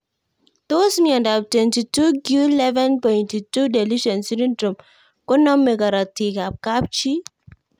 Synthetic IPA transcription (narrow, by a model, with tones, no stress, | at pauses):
t̪o˦smiɔndab̚twenti˨tu˦ɡjulɛ˦vɛ˦npɔjntitu˦de˨liʃɔ˨nsi˦ɾindɾu˨m | kɔ˦nɔ˦mːe˨ɡa˨ɾa˨ti˨ka˨p̚kap̚t͡ʃi˦